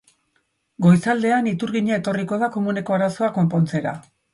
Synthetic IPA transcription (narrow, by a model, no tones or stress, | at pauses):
ɡo̞jsald̪e̞anit̪uɾɣiɲae̞t̪o̞riko̞ðako̞mune̞ko̞aɾaso̞ako̞mpo̞nt͡se̞ɾa̰